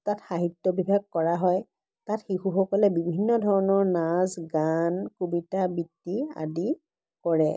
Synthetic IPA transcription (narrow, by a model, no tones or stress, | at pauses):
tatxaɦitːɔbibʱaɡ̚kɔɹaɦɔj | tatxixuxɔkɔlɛbibʱinːɔdʱɔɹɔnɔɹnazɡankubitabitːia̰di | kɔɹɛ